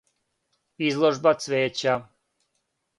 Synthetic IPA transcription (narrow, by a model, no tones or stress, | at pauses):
izlˠoʒbat̪sʋeːt͡ɕa